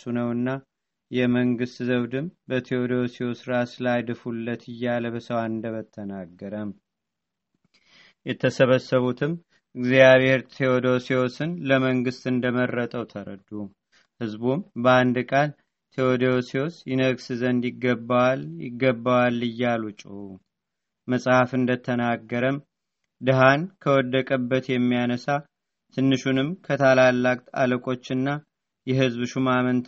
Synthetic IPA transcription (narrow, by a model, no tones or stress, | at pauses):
sunəwɨnːa | jɛməŋɡɨst̪zəβd̪ɨmbət̪ʰiod̪oosiosɾaslajd̪ɨfulːət̪ʰɨjːaləbəsəwaɨnd̪əβət̪ʰːənaɡːəɾəm | jɛt̪ʰːəsəβəsːəβut̪ʰɨm | ɨɡzijaβheɾt̪ʰeod̪o̞siosɨnləməŋɡɨst̪ɨnd̪əmərːət̪ʼəwt̪ʰəɾə̰d̪u | hɨzbumbəand̪kʼal | t̪ʰeod̪eoseosjɪnəɡsɨzənd̪jɪɡːəbːawaljɪ̰ɡːəbːawalːɨjːalut͡ʃʼɪwu | məsʼhafɨnd̪ət̪ʰənaɡːəɾəm | d̪ɨɦankʰəwɔd̪ːəkʼəbːət̪jɛmːijanəsa | t̪ʰɨnːɨʃunɨmkʰət̪ʰalalːakʼt̪a̰ləkʼo̞t͡ʃːɨnːa | jɛɦɨzbʃumamənt̪ʰ